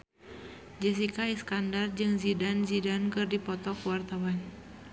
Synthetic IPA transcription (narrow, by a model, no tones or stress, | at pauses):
d͡ʒɛs̬ikaiskandard͡ʒɨŋzidanzidankɨrdipɔt̪ɔkuwart̪awan